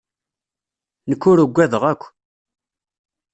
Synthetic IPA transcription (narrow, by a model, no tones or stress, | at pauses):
nəkːʊɾuɡʷːæðəʁækʷː